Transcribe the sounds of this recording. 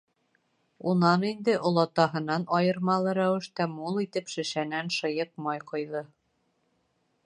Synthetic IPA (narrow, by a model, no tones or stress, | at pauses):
unɑnind̪ɘʔŏlˠɑt̪ɑɦɤ̆nɑnɑjɤ̆ɾmɑlˠɤɾæwɘ̆ʃt̪æmulˠit̪ɘpʃɘ̆ʃænænʃɤ̆jɤp̚mɑjqŏjðɤ